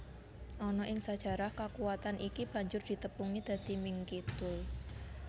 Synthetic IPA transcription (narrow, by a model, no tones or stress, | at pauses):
ʔɔnɔʔɪŋsad̥ʒ̥ä̤ɾahkakuwat̪anʔikib̥ä̤ɲd͡ʒʊrd̪̥i̤t̪əpuŋid̪̥ä̤d̪̥i̤mɪŋkit̪ʊl